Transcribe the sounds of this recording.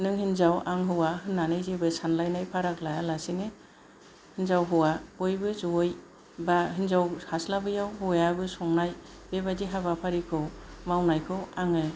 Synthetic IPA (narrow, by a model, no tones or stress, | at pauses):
nɯŋhinzawaŋɦɯwaɦɯnːanɯjzibɯsanlajnajpʰaɾaklajalasinɯ | hinzawɦɯwabojbɯzuoj | baɦinzawhaslabɯjawɦujabɯsɔŋnaj | bebadiɦaβapʰaɾikʰɯwmawnajkʰɯwaŋɯ